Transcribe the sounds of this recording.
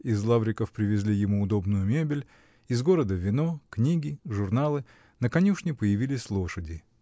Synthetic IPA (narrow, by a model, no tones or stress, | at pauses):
ɪzlˠavɾʲɪkəfpɾʲɪvʲɪzʲlʲijɪmuʊd̪o̞bnʊjʊmʲebʲɪlʲ | ɪzɡo̞ɾəd̪əvʲɪnoknʲiɡʲɪʐʊrnalˠɨ | nəkɐnʲuʂnʲɪpəjɪvʲilʲɪsʲlˠo̞ʂədʲɪ